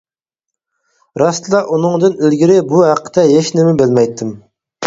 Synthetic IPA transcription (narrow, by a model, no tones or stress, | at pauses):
ɾɑst̪ɨlˠɑʔunɨŋd̪ɨnylɡʲiɾɪbuɦæqʰːə̥t̪ʰɛɦeʃnɪmɪbɪlmɛjt̪ʰːɪm